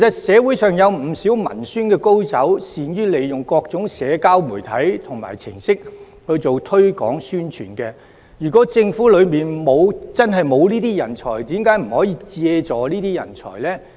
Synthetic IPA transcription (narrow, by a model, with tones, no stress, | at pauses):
ke˨˩sɐ˨t̚sɛː˨˧wu˨˥jsœː˨ŋjɐ˨˧wm̩˨˩siː˨˥wmɐ̰˨˩nsyː˥nkɛː˧ko˥wt͡sɐ˨˥wsiː˨njyː˥le˨jjʊ˨˩ŋkɔː˧k̚t͡sʊ˨˥ŋsɛː˨˧kaː˥wmuː˨˩jt̪ʰɐ˨˥jt̪ʰʊ˨˩ŋma̰ː˨˩jt͡sʰɪ˨˩ŋsɪ˥k̚ | hɵ˧ɥt͡so˨wt̪ʰɵ˥ɥkɔ̰ː˨˥ŋsyː˥nt͡ʃʰyː˨˩nkɛː˧ | jyː˨˩kɔː˨˥t͡sɪ˧ŋfuː˨˥lɵ˨˧ɥmiː˨nmo˨˧wt͡sɐ˥nɦɐ˨jmo˨˧wniː˥t̪iː˥jɐ˨˩nt͡sʰɔ̰ː˨˩jt̪iː˨˥mkaː˨˥jm̩˨˩hɔː˨˥jiː˧t͡sɛː˧t͡sɔː˨˧liː˥t̪iː˥jɐ̰˨˩nt͡sʰɔ̰ː˨˩jlɛː˥